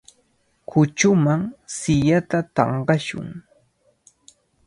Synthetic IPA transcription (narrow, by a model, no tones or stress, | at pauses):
kʊt͡ʃʊmaŋsɪʎat̪at̪ɑ̰ɴɢɑʃʊ̰ŋ